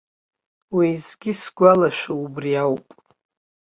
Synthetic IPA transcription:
wizɡʲɪsɡʷalaʃᶣaubriawpʼ

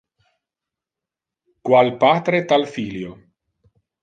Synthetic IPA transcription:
kwalpat̪ɾet̪alfiljo

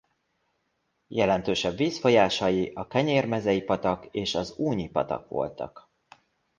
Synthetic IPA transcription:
jɛlɛnt̪øːʃɛbːiːsfo̞jaːʃɒjiʔɒkɛɲeːrmɛzɛjipɒt̪ɒkeːʃɒzuːɲipɒ̰t̪ɒ̰kʋo̞̰lt̪ɒ̰k

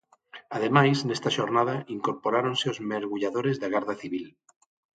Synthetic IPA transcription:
aðemajsnest̪aʃoɾnað̞aʔiŋkoɾpoɾaɾõnseozmeɾɣuʎaðoɾezðaɣaɾðaθiβil

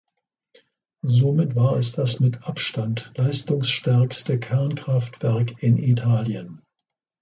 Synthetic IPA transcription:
zoːmɪtv̥aːɐɛsd̥asmɪtʔapʃtantlaɪstʊŋsʃtɛɐkstəkʰɛɐnkʁ̥aftv̥ɛɐkɪnʔitʰaːljən

